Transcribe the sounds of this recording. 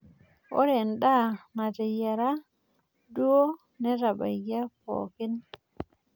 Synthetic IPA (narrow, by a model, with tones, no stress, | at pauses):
ʔɔ̰˦ɾɛnɗa˦na˨d͡ʒɛ˨ja˨ɾa | du˦o˦ | nɛ˦ɾa˨ba̰˨jɡa˦po̰ː˨ki˦n